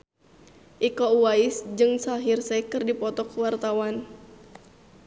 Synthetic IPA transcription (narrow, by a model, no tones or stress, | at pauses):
ʔikouaisd͡ʒɨŋsaɦirsɛkɨrdipɔt̪ɔkəwart̪awan